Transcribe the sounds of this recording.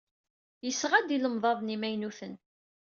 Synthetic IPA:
jəsːʁæd̪iləmðˤɑðˤnimæjnuθən

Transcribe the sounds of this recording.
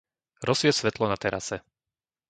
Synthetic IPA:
ɾɔsʋɪɛsʋɛt̪lɔnat̪ɛɾʔa̰sɛ

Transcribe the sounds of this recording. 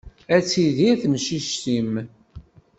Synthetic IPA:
æt͡sːiðiæθəmʃiʃt̪im

